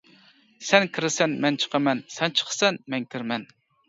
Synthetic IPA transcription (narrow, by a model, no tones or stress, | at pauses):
sɛnkʲʰiɾɪsɛnmɛnt͡ʃʰə̥qʰɑmɛnsɛnt͡ʃʰə̥χsɛnmɛŋkʲʰiɾmɛn